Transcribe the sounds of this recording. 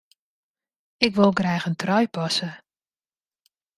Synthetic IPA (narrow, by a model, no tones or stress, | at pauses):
ɪkʋɪlˠɡrɛjɣəntrɔjpɔsə